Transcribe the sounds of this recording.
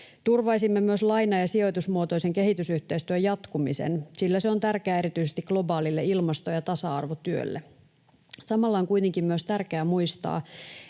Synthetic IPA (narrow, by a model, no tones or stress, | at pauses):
t̪urʋɑisimːemyøslɑjnɑjɑsio̞jt̪usmuot̪o̞iseŋke̞ɦit̪ysyht̪eist̪yøjɑt̪kumisḛnsilːæseo̞nt̪ærkeæːeɾit̪yisest̪ikɡ̥lo̞bɑːlilːeilmɑst̪ojɑt̪ɑsɑɑrʋot̪yø̰lːe | sɑmɑlːɑoŋkuit̪eŋkimmyøst̪ærkeæmuist̪ɑ̰ː